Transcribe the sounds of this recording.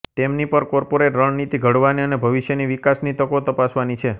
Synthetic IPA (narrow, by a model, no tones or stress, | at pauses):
t̪emnipəɾkɔɾpoɾeʈɾəɳnit̪iɡʱəɽʋaniənebʱəʋiʃjeniʋikasnit̪əkot̪əpasʋanit͡ʃʰe